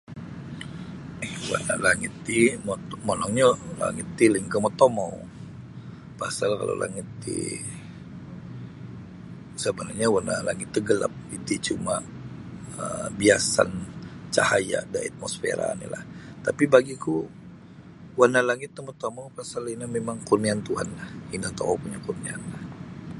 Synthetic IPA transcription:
ɛwa̰nalaŋit̪ːimmɔnɔŋɲala̰ŋit̪ːiləŋkəmɔt̪omow | pasalka̰lo̰lʔa̰ŋit̪ːḭ | səbənarɲawanalaŋɪt̪ːuɡəla̰p̚it̪it͡ʃuma | əbiasa̰nt͡ʃahaja̰daat̪̚mosfḛɾa̰nḭla̰ht̪apibaɡiku | wanalaŋɪt̪ːəmot̪omowpasalinamemaŋkurniant̪uɦanlahinat̪omo̰wpuɲakurnianlah

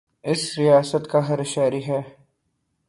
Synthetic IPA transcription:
ɪsɾɪjaːsət̪kaɦɐɾɪʃaːɾiɦɛː

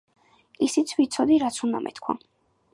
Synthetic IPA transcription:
isit̪sʰvit̪sʰɔd̪iɾat̪sʰund̪a̰mʔɛ̰t̪kʰwa̰

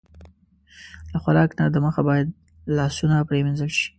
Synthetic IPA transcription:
laxaɾɑknad̪əməxabɑjad̪̚ | lɑsunapɾemɪnzəlʃi̥

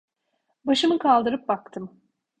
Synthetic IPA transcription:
baʃɯmɯkʰalˠd̪ɯɾɯp̚bakt̪ʰɯm

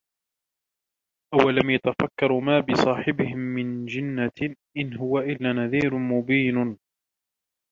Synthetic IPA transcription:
ʔawːalamjat̪afakːɑɾˤmaːbɪsˤɑːħɪbɪhɪmːɪnd͡ʒɪnːaʔɪnɦʊwaʔɪlːaːnaðiːɾʊmʊbiːn

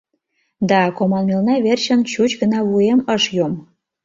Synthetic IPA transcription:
d̪ɑkomɑlmelnɑβerɕə̆nt͡ɕut͡ɕɣənɑβueməʃjom

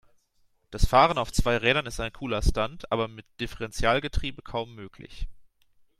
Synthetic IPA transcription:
d̥asfaːʁ̞ənaʊft͡sv̥aɪʁɛːɾɐnɪstaɪnkʰuːlɐstantʔa̰ːbɐmɪt̚d̥ɪfəʁɛnt͡sjaːlɡətʁ̥iːbəkʰaʊmːøːkʰlɪ̰ç

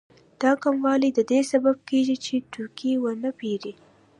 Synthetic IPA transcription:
d̪̥ɑkamwɑlid̪əd̪esabab̚keʒit͡ʃeʈʊɾkiwənəpeɾi

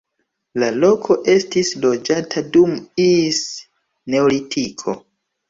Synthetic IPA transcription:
lalo̞kʰo̞ʔe̞stislo̞d͡ʒatʰadumis | ne̞olitʰikʰo̞̰

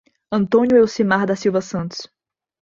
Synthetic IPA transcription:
ɐ̃nt̪õnjʊewsimaɾd̪ɐsiwvɐsɐ̃nt̪ʊ̥s

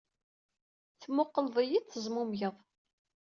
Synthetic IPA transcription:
θmːʊqːəlðˤəjit͡sːəzˤmʊmjəðˤ

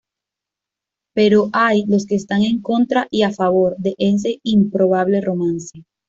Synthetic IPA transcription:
pe̞ɾo̞ʔajlo̞ske̞ːst̪aŋe̞ŋko̞nt̪ɾaʔiafaβo̞ɾd̪e̞ʔens̬e̞impɾo̞βaβ̞le̞ro̞mãnse

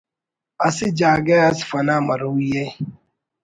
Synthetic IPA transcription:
asɪd͡ʒaɡeasɪ̥fanamaɾuje

